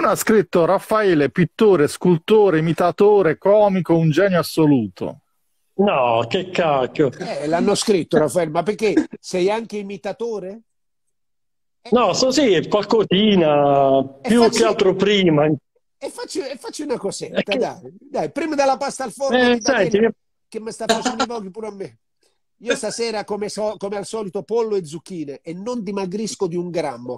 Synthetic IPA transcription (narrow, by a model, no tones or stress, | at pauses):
unoaskɾit̪ːoɾafːaɛːlepit̪ːoːɾeskult̪oːɾeimit̪at̪oːɾekɔːmikound͡ʒɛːnjoasːoluːt̪o̰ | nɔkekːakːoɛlanːoskɾit̪ːoɾafːaɛlmapːerk̟ːesɛjaŋk̟eimit̪at̪oːɾe | nɔsosikwakosiːnapɛjukːealt̪ɾopɾiːma | ɛfːat͡ʃːiɛfːat͡ʃːiunakɔset̪ːad̪ajd̪ajpɾiːmad̪elːapast̪alfɔsɛni | k̟emːəst̪afːat͡ʃɛnd̪ivɔkːipuːɾoamːe | iːost̪asɛːɾakomɛsɔkomealsɔːlit̪opolːoed̪zːuk̟ːiːneːnːond̪imaɡɾiskod̪iuŋɡɾamːo